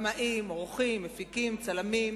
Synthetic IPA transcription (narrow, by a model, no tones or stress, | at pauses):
maʔimʁoχimːefikimt͡salamim